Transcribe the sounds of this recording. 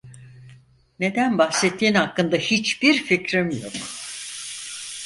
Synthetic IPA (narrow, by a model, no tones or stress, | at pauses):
ne̞d̪ænbaxsɛt̪ʰːiːnhakːɯnd̪ahit͡ʃb̥iɾficɾemijo̞̰ɾ